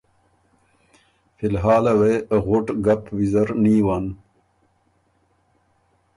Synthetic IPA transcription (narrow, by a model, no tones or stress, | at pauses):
filɦaːlɐweːɣʊʈɡɐpwizɐɾniːwan